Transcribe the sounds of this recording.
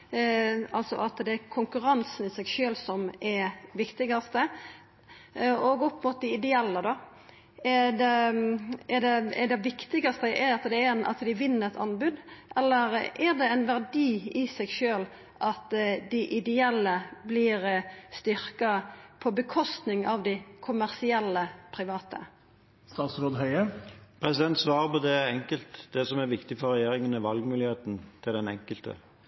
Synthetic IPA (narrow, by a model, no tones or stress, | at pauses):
ɑlt̪sɔ̰ʔɑt̪d̪ɛːɾkʰʊŋkʉɾɑnsənɪsɛɡʃøːlsɔmʔɛʋɪkt̪ɪɡɑst̪ə | ɔɡɔpmʊt̪̚d̪ɪɪd̪ɛɛlːəd̪ɑ | ɛd̪ɛ | ɛɖ̪ɛɛɖ̪ɛʋɪkt̪ɪɡɑst̪əʔɛɾɑt̪d̪ɛnʔɑ̰t̪d̪ɪʋɪnːəɾɛt̪ʰɑ̰nbʉd̪ʔɛlːəɾɛʁd̪ɛæɪnʋæʁd̪iːɪsɛɡʃøːl | ʔɑt̪d̪ɪʔɪd̪ɛɛlːəblɪːɾst̪ʏɾkɑpʰɔbəkʰɔst̪nɪŋʔɑʋd̪ɪkʰʊmæʁsɪɛlːəpʰɾɪʋɑːt̪ʰə̰ | st̪ɑːt̪sɾoːd̪ɦœʏəpʰɾɛsɪd̪ɛnt̪sʋɑːʁəpɔd̪ɛæɾɛŋkəlt̪d̪ɛsɔmæɾʋɪkt̪ɪfɔɾɛjeːɾɪŋənəʋɑlɡmʉːlɪheːt̪n̩t̪ʰɪld̪ɛnɛ̰ŋkəlt̪ə̰